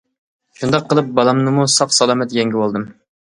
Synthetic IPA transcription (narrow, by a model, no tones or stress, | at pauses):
ʃund̪ɑqʰːəlˠɨp̚bɑlˠɑmnɨmusɑqsɑlˠɑmɛt̪jɛŋɡʲiwolˠd̪ɨm